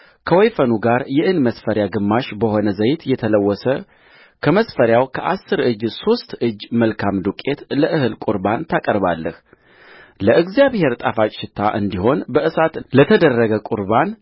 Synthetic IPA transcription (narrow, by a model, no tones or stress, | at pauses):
kʰəwɔjfənuɡaɾjɛʔɨnməsfəɾjaɡɨmːaʃbəho̞nəzəjt̪jɛt̪ʰələwːɔsə | kʰəməsfəɾjawkʰəʔasːɨɾɨd͡ʒso̞st̪ɨd͡ʒməlkʰamd̪ukʼːe̞t̪ləʔɨhɨlkʼuɾbant̪ʰakʼəɾbalːə̰h | ləʔɨɡzijaβhe̞ɾt̪ʼafat͡ʃʼʃɪt̪ʰːaʔɨnd̪iho̞nbəʔɨsat̪lət̪ʰəd̪ərːəɡəkʼuɾban